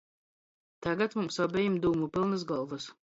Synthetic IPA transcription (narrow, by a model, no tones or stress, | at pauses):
t̪aɡat̪mumsɔbʲɛjimd̪uːmupilˠnɨs̬ɡɔlˠvɨs